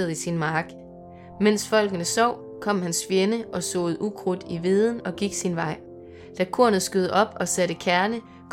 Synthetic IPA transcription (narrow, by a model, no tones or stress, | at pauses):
ɐðˠisinmɑ̈ːɡ̥ | men̰sfɒ̽l̰ɡ̥ənəsɒʊ̰ | kʰɒ̽m̰hænsfjenəʔɒ̽sɔ̰ːð̩ˠʔuɡ̥ʰʁod̥iʋið̞ˠən̩ɒ̽ɡ̥iɡ̥sinʋɑ̈ɪ̰ | d̥ækʰo̝ɐnð̩ˠsɡ̥øð̞ˠəʔɒ̽b̥ɒ̽sæɾ̥əkʰæɐnə | kʰ